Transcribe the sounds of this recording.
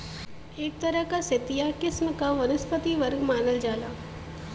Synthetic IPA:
eːk̚t̪ɐɾəɦkaset̪ijakɪsməkaʋɐnəspət̪iʋəɾɡmaːnəld͡ʒaːlaː

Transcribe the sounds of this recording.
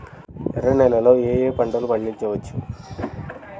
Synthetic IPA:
ɛɾɐnɛlɐlo̞ːeːjeːpɐɳɖɐlupɐɭːiɲt͡ʃɐʋɐt͡ʃːu

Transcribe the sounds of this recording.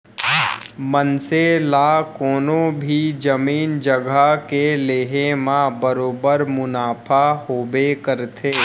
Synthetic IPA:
mənselaːkɔːnõbʱid͡ʒəmiːnd͡ʒəɡakeleːɦemãbəɾoːbəɾmʊnaːpʰahoːbekəɾt̪ʰeː

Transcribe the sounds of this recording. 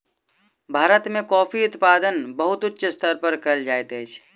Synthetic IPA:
bʱaːɾət̪mẽkɔːpʰiʊt̪paːd̪ənbəɦʊt̪ʊtːʃʰst̪ʰəɾpəɾkəld͡ʒaːet̪et͡ʃʰ

